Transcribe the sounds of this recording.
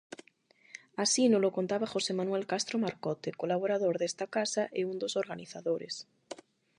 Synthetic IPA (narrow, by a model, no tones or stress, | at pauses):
asinolokont̪aβaxo̞semanuelkast̪ɾomaɾkot̪ekolaβ̞oɾaðoɾðest̪akasaʔeund̪osoɾɣaniθaðoɾḛs